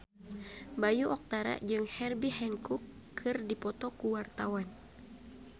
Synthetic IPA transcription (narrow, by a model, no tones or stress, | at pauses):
bajuʔɔk̚t̪aɾa̰d͡ʒɨŋhɛrbihɛnkukʰː | ɨrdipɔt̪ɔkuwart̪awan